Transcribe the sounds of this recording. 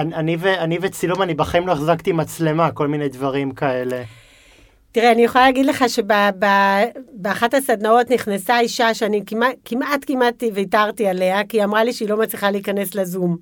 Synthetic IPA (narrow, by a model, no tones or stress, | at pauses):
ananiveanivet͡silumanibaχaimloeχzakt̪imat͡sle̞mako̞lminejdvaʁimkae̞le̞ | tiʁeanijeχolalaːɡidle̞χaʃe̞bababeaχathasadnao̞tniχnasaiʃaʃeanikimakimʔatkimativeitaʁtiale̞akiamʁaliʃeilo̞mat͡sliχaleikane̞slazum